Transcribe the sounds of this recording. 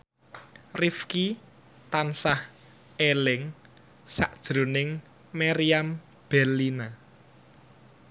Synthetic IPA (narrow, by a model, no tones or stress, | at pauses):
rifki | t̪ansah | elɪŋ | saʔ̚d̥ʒ̥ɾo̤nɪŋ | maɾiam | b̥ɛlːina